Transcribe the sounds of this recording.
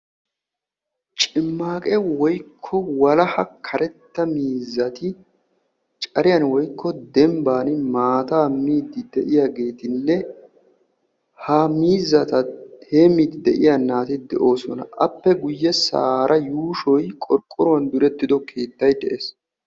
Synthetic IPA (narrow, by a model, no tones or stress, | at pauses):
t͡ʃʼɪmːaːkʼɛwɔjkʰːɔwɐlɐhɐkʰɐɾɛt̪ːɐmiːzːɐt̪ɪ | t͡ʃʼɐɾɪjɐnwɔjkʰːɔd̪ɛmbaːnɪmaːt̪aːmiːd̪ɪd̪ɛʔɪjaɡe̞ːt̪ɪnːɛ | hamiːzːɐt̪ɐheːmid̪ɪd̪ɛʔɪjanːaːt̪ɪd̪ɛ̰ʔo̞ːsɔnɐ̰ʔɐpːɛɡʊjːɛsa̰ːɾʔɐjuːʃɔjkʼɔɾkʼːɔɾɔɐnd̪ʊɾɛt̪ːɪd̪ɔkʰe̞ːt̪ːɐjd̪ɛʔeːs